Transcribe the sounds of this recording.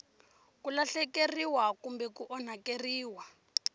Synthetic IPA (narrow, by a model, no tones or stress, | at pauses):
kulaɬɛkeriwakumbɛkuʔɔn̤akeriːwa